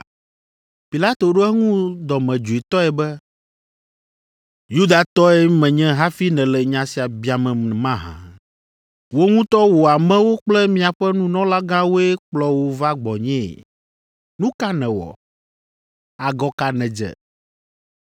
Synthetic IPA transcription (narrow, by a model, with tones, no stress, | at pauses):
pi˨la˦t̪o˨ɖo˦ɛ˦ŋũ˦d̪ɔ˨mɛ̃˨d͡ʒu˨i˨t̪ɔ˦ɛ˨bɛ˦ | ju˦d̪a˨t̪ɔ˦ɛ˦mɛ̃˨ɲɛ̃˦ɦa˦fi˦nɛ̃˨lɛ˨ɲã˨si˨a˨bi˦a˨mɛ̃˨mã˦ɦã̰˨ | wo˦ŋũ˦t̪ɔ˦wo˨a˨mɛ̃˦wo˦k͡plɛ˦mĩ˦a˨ɸɛ˦nũ˦nɔ̃˦la˦ɡã˦wo˦ɛ˦k͡plɔ˦wo˦va˦ɡ͡bɔ˨ɲɛ̰̃˦˨ | nũ˦ka˦nɛ̃˨wɔ̰˨ | a˨ɡɔ˦ka˨nɛ̃˨d͡ʒɛ̰˨